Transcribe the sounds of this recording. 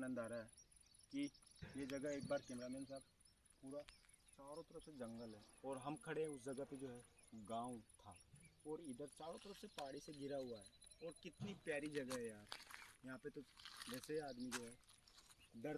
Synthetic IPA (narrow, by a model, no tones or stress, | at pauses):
aːnə̃nd̪aːɾaɦɛ | kijed͡ʒɐɡəɦeːk̚baːɾkẽːmɾaːmeːnsaːb̚ | puːɾa | t͡ʃaːɾõt̪əɾəsed͡ʒɐ̃ŋɡəlɦɛːɔːɾɦɐmkʰɐɽeɦɛ̃ʊsd͡ʒɐɡəped͡ʒoːɦɛ | ɡãːut̪ʰaɔːɾɪd̪əɾt͡ʃaːɾõt̪əɾəsepaːɽiseɡʱɪɾaɦʊaɦɛːɔːɾkɪt̪nipjaːɾid͡ʒɐɡəɦɛjaːɾjɐɦãpet̪od͡ʒɛːseaːd̪mid͡ʒoːɦɛ | d̪əɾ